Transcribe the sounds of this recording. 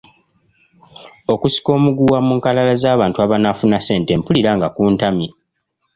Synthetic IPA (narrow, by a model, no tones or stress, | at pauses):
o̞kusi̥ko̞ːmuɡuwamuːŋkalalazaːβaːntuaβanafunase̞ːnte̞ːmpuliɾaŋɡakuːntamje